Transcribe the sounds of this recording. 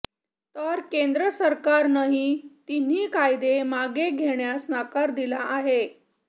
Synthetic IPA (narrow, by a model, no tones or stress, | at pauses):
t̪əɾkend̪ɾəsəɾkaɾnəɦit̪in̤ːiːkajd̪emaɡeɡʱeɳjasnakaɾd̪ilaʔaɦe